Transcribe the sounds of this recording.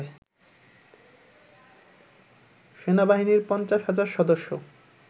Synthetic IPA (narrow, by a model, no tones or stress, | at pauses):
e | ʃenabaɦiniɾpɔnt͡ɕaʃɦad͡ʑaɾʃɔd̪oʃːo